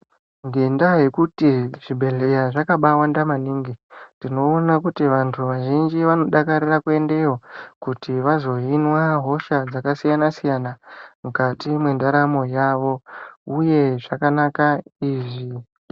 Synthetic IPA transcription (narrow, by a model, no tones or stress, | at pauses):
ŋɡe̞ndaje̞kutiʐ̥ibʱe̞le̞jaʐakaɓawandamaniːŋɡindino̞ːnakutiʋantʰuʋaʒind͡ʒiʋano̞ɗakaɾirakue̞nde̞ɦokutiʋazo̞inwaɦo̞ʃad͡zakasijanasijanamukatimwe̞ndaɾamo̞jaʋo̞uje̞ʐakanakaiːʐi